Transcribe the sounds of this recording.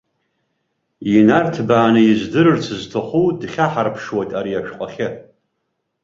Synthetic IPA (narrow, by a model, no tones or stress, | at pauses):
inartʰbaːnɨjɪzdɨɾɨrt͡sʷʰɨztʰɨχʷudχʲaħarpʰʂwajtʼaɾiaʃᶣqʷʼaχʲɪ